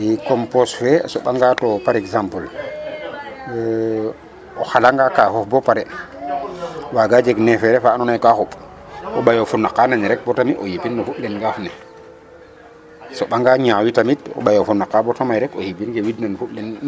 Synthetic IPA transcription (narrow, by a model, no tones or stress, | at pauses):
jikɔmpɔsfɛ̰sɔɓaŋɡatɔpaɾɛksampəl | ɔxalaŋɡakaxɔfbɔpaɾɛ | waɡad͡ʒeɡnɛfɛɾɛfanɔnajkaxuɓ | ɔɓajofunːakːanaɲɾɛk̚bɔtamiʔojipinːɔfuɓlɛnɡafnɛ | sɔɓaŋɡaɲawitamitɔ̰ɓajofunːakːabɔtamajɾɛkohibinɡewidnanfuɓlɛn